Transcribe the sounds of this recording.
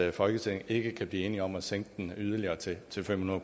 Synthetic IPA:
fɒ̽lɡ̥ət͡sʰe̝ŋe̝ɡ̥əkʰæb̥liːe̝ːniɒ̽mæseŋ̰ɡ̥əd̥enyð̞ˠɐliɐːt͡sʰe̝t͡sʰe̝lfem̰hunɐðˠ

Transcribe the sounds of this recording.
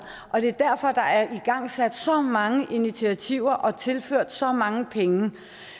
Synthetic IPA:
ʔɒ̽d̥e̝æɐd̥æɐfɒ̽d̥ɑ̈æɐʔiɡ̥ɑ̈ŋ̰sæd̥sɒ̽mɑ̈ŋəʔinit͡sʰiæt͡sʰiʊ̰ɐʔɒ̽t͡sʰe̝lføɐ̰d̥sɒ̽mɑ̈ŋəpʰeŋə

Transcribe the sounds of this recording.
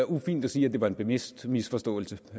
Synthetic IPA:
æufḭːnd̥æsiːæd̥e̝ʋɑ̈e̝nb̥e̝me̝sd̥misfɒ̽sd̥ɔ̰̽ːl̩sə

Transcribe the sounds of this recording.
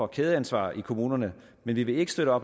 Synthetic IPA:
ɒ̽kʰeːð̞ˠəænsʋɑ̰̈ːikʰo̝muːnɐnə | menʋiʋe̝e̝ɡ̥əsd̥øɾəɒ̽b̥

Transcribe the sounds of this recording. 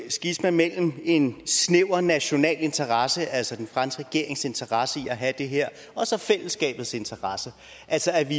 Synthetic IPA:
sɡ̥ismænmel̰m̩e̝nsneʊɐnæɕo̝nɛ̰ːle̝nt͡sʰɐʁɑ̈səʔæl̰sɒd̥enfʁɑ̈n̰sɡ̥ʁɛɡ̥e̝ɐ̰e̝ŋse̝nt͡sʰɐʁɑ̈səiæɦæd̥e̝ɦeɐ̰ | ɒ̽sɒ̽fel̰əsɡ̥ɛ̰ːb̥ð̩ˠse̝nt͡sʰɐʁɑ̈sə | ʔælsɒæʋi

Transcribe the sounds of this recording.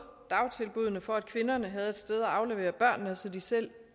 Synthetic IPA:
d̥ɑ̈ʊt͡sʰe̝lb̥uð̞ˠnəfɒ̽æd̥̚kʰʋe̝nɐnəɦæð̞̩ˠed̥sd̥eð̞ˠæɑ̈ʊleʋe̝̰ːɐb̥ɶɐ̰nːəsɒ̽d̥isel̰

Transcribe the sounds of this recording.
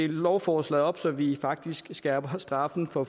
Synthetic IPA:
elɒʊfɒːslɛðˠɒ̽b̥sɒ̽mʋifɑ̈ɡ̥̚d̥isɡ̥sɡ̥ɛːb̥ɐsd̥ʁɑ̈fn̩fɒ̽

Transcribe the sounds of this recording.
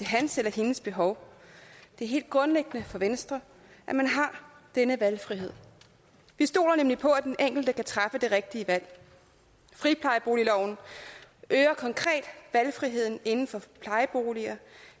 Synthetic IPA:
t͡sʰe̝ɦænselɐhe̝nəsb̥e̝ɦɒʊ | d̥e̝æɐɦe̝̰ːld̥̚ɡ̥ʁɔ̽nleɡ̥ənəfɒ̽ʋensd̥ʁɐ | ʔæmænɦɑ̈d̥enəʋælfʁiɦe̝ð̰ˠ | ʋisd̥o̝̰ːlɐnemlipʰɒ̽æd̥eneŋ̰ɡ̥l̩d̥əkʰæt͡sʰʁɑ̈fəd̥e̝ʁeɡ̥̚d̥iəʋæl̰ | fʁipʰlɑ̈ɪəb̥o̝ːlilɒʊ̰n̩ | ʔøːɐkʰɒ̽ŋkʰʁɛ̰ːd̥ʋælfʁiɦe̝ð̰ˠn̩e̝nn̩fɒ̽pʰlɑ̈ɪəb̥o̝̰ːliɐ

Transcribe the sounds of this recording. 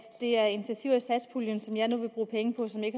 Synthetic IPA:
d̥e̝æɐe̝nit͡sʰiɐt͡sʰiʊ̰æsæd̥spʰuljənsɒ̽mjɑ̈ɪnuʋe̝b̥ʁuːpʰeŋəpʰɒ̽sɒ̽me̝ɡ̥

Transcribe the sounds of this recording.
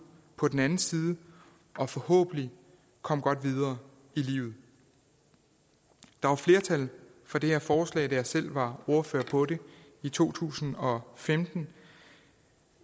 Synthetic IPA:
pʰɒ̽d̥en̩ænn̩siːð̞ˠə | ʔɒ̽fɒ̽hɔ̰̽ːb̥n̩li | kʰɒ̽m̰ɡ̥ɒ̽d̥ʋið̞ˠɐː | ilḭːʊð̩ˠ | d̥ɑ̈ʋɑ̈fle̝ːɐt͡sʰæl | fɒd̥e̝heɐfɒːslɛ̰ɪd̥æjɑ̈sel̰ʋɑ̈o̝ɐføɐ̰pʰɒ̽ɾe̝ | it͡sʰo̝̰ːt͡sʰṵːsn̩ɒ̽femd̥n̩

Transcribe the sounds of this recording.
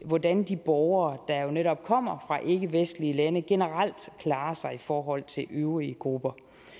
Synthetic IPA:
ʋɒd̥ænd̥ib̥ɒʊɐːd̥ɑ̈jo̝neɾɒ̽b̥̚kʰɒ̽m̰ɐfʁɑ̈ʔe̝ɡ̥əʋesd̥liəlænəɡ̥e̝nəʁal̰d̥kʰlɑ̈ːɐsɑ̈ɪifɒːɦɒ̽l̰t͡sʰe̝lʔøʊʁiəɡ̥ʁub̥ɐ

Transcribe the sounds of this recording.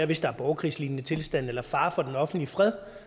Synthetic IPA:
ɐʋe̝sd̥ɑ̈æɐb̥ɒʊkʰʁḭːsliːnnət͡sʰe̝lsd̥æn̰elɐfɑ̈ːfɒ̽d̥enɒ̽fn̩d̥lifʁɛð̞̰ˠ

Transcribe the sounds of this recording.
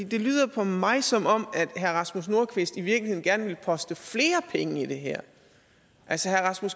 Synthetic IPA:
ḭd̥e̝lyːð̞̰ˠɐpʰɒ̽mɑ̈ɪsɒ̽mɒ̽m̰æd̥ɦæɐʁɑ̈smus̬no̝ɐkʰʋe̝sd̥iʋiɐɡ̥lihe̝ðˠn̩ɡ̥æɐnʋe̝lpʰɒ̽sd̥əfle̝ːɐpʰeŋəid̥e̝ɦæɐ̰ | ʔælsəhæɐʁɑ̈smus

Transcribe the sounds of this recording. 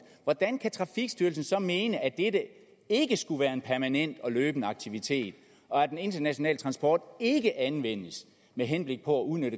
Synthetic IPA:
ʋɒd̥ænkʰæt͡sʰʁɑ̈fiɡ̥sd̥yːɐlsn̩sɒ̽me̝ːnəʔæd̥edə | e̝ɡ̥əsɡ̥uʋæːɐe̝npʰæɐmænen̰d̥ɒ̽løːb̥nəɑ̈ɡ̥̚t͡sʰiʋit͡sʰe̝̰ːd̥ | ɒ̽æd̥ene̝nd̥ɐnæɕo̝nɛ̰ːlə̥t͡sʰʁɑ̈nsb̥ɒ̰ːd̥e̝ɡ̥əʔænʋen̰əs | meɦenb̥le̝ɡ̥̚pʰɒ̽æuðˠnøɾə

